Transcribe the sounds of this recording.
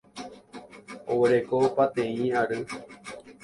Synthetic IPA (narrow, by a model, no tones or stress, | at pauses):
o̰weɾekopat̪ẽĩaɾɨ